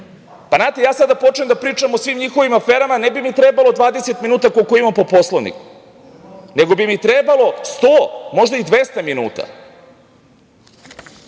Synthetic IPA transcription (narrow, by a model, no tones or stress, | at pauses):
panaːt̪ejaːsad̪apo̞t͡ʃnemd̪apɾiːt͡ʃamo̞sʋiːmɲixo̞ʋimafeːɾamanebimit̪ɾebalˠo̞d̪ʋaːd̪e̞set̪minuːt̪akokoimampopo̞slˠoʋnḭk | ne̞ɡo̞bimit̪ɾebalˠo̞st̪oːmo̞ʒd̪aid̪ʋest̪aminṵːt̪a̰